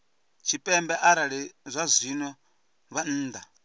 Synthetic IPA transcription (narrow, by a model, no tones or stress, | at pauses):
t͡ʃʰipʼɛmbɛʔaɾaɺɛzʷazʷinwɛ | βan̩ːd̪a